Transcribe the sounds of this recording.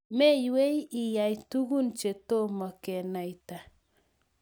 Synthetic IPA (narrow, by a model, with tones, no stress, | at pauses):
me˦jwe˦ji˨ja˨jtu˦ɣu˦nt͡ʃe˨to˦mɔ˨ke˨na˨jta˨